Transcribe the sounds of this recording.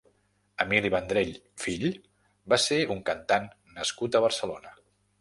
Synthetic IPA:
əmiliβənd̪ɾeʎ | fiʎ | baseuŋkənt̪anː | əskut̪əβ̞əɾsəlonə

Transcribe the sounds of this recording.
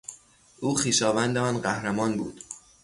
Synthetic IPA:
ʔuːxiːʃɒːvænd̪eɒːnɢæhɾæmɒːnbṵːd̪̥

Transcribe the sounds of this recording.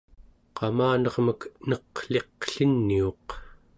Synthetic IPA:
qɑmaːnʌʁməknʌqɬe̞qɬənːioq

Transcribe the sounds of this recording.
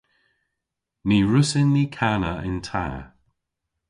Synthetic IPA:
niɹʊsɪnːikʰanəɪ̰ntʰa̰ː

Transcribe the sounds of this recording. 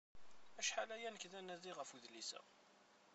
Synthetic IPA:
æʃħalæjænəkðænæðiʁəfuðlisə̰

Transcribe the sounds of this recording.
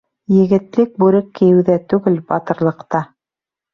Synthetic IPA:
jɘ̆ɡɘ̆t̪lɘk̚bʉɾɘkːɘ̆jɘ̆wðæt̪ʉɡɘlbɑt̪ɤ̆ɾlˠɤ̆qt̪ɑ

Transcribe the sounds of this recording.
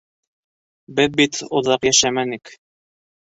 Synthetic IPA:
bɘðbit̪ŏðɑqjæʃæmænik

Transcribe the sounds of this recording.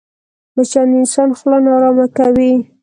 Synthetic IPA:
mat͡ʃanɪnsɑnxlanɑɾɑmakawi

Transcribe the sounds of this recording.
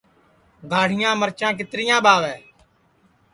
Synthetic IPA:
ɡʱaːɽ̤ɪjãːməɾt͡ʃãːk̬ɪt̪ɾɪjãːɓaːʋɛː

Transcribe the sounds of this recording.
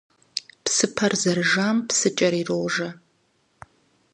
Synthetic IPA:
pʰsɨpʰɐrzɐrʒampʰsɨt͡ʃʼɐɾirowʐɐ

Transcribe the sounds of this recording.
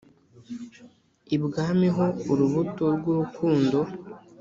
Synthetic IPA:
ibɡaːmiɦo̞uɾuβutoɾɡuɾukʰuːndo̞

